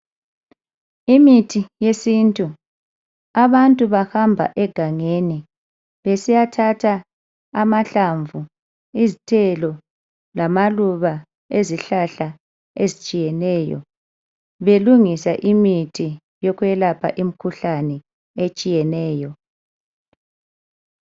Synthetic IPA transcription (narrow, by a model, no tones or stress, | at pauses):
imitʰijesintʼu | aβantʼuβahambʱa̰ʔɛɡ̥ʱaŋeni | βesijatʰatʰaː | maɬaɱvu | izitʰɛlɔ | lamaluβa | eziɬaɬa | ezit͡ʃʼijɛnɛːjɔ̰ | βeluŋisaʔimitʰi | jɔkwɛlapʰa̰ʔim̩kʰuɬanɛ | et͡ʃʼijɛnɛːjɔ